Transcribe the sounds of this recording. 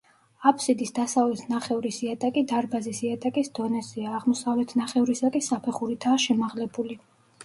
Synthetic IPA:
apʰsid̪isd̪asavlɛt̪ʰnaχɛvɾisiat̪ʼakʼid̪aɾbazisiat̪ʼakʼisd̪̥ɔnɛziaːʁmɔsavlɛt̪ʰnaχɛuɾisakʼisapʰɛχuɾit̪ʰaːʃɛmaʁlɛbuli

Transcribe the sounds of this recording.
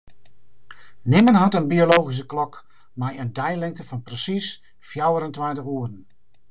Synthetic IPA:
nɪmənɦɔtənbiolowɣis̬əklɔk | mɛjəndɛjlɪŋtəfɔnpresis | fjawəɾəntʋɛntəxuədən̩

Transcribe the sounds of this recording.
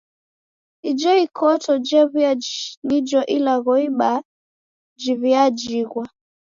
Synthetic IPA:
id͡ʒɔikʰɔtɔd͡ʒɛβiad͡ʒinid͡ʒɔʔilaɣɔiɓa | d͡ʒiβiad͡ʒiɣwa

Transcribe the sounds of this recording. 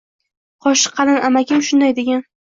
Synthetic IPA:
qʰɒʃɪ̥qʰːɑlɪnʔamaɡʲɪmʃʊnd̪ajd̪eɡʲan

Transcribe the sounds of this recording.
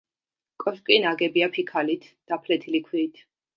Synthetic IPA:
kʼɔskʼinaɡɛbiapʰikʰalit̪ʰd̪̥apʰlɛt̪ʰilikʰwiɾit̪ʰ

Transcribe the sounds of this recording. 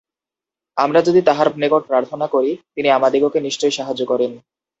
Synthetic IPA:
amɾad͡ʑod̪it̪aɦaɾpnekoʈ̚pɾaɾt̪ʰonakoɾit̪iniamad̪iɡokeniʃt͡ɕojʃaɦad͡ʑːokɔɾen

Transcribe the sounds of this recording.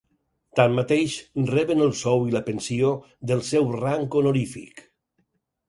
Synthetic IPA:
t̪amːat̪ejʃnrɛβənəlˠsɔwiləpənsio | ðəlˠsɛwraŋkonolifḭk

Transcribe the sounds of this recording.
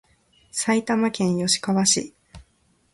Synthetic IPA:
sait̪amakẽ̞ɰ̃jo̞ɕi̥kaβaɕḭ

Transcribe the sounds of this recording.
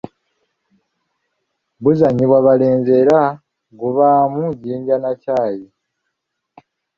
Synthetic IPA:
βuzaɲiβwaβaleːɲzeɾa | ɡuβamuɟiːɲɟanacaːji

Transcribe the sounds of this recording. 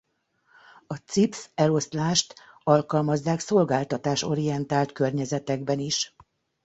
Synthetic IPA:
ɒt̪sipsɛlo̞st̪laːʃt̪ | ɒlkɒlmɒzːaːkso̞lɡaːlt̪ɒt̪aːʃo̞̰ɾijɛnt̪aːlt̪kø̞rɲɛzɛt̪ɛɡbɛniʃ

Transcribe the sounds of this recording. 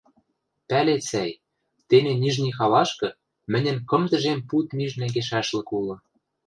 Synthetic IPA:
pælet͡sæj | t̪eneniʒnixɑlɑʃkɤ̆ | mɘ̆nʲɘ̆nkɤ̆md̪ə̆ʒemput̪myʒnæŋɡeʃæʃlɤ̆kulɤ̆

